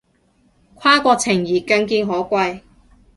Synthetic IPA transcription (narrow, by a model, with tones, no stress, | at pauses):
kʷʰaː˥kʷɔː˧k̚t͡sʰɪ˨˩ŋjiː˨˩kɐ˧nkiː˧nɦɔː˨˥kʷɐ˧j